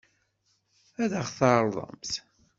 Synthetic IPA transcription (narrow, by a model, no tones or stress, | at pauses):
æðəχθɑɾˤðˤə̰mθ